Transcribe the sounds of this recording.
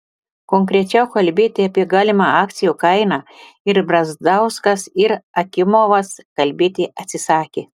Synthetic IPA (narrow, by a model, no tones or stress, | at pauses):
koŋkɾʲɛt͡ʃʲɛʊkɐlʲbʲeːt̪ʲɪɐpʲiɛɡɑːlʲɪmɑɑːk̚t̪sʲɪjuːkɐɪnɑː | ɪɾbɾɐzd̪ɐʊskɐsɪɾɐkʲɪmoʋɐskɐlʲbʲeːt̪ʲɪɐt̪ʲsʲɪsɑːkʲeː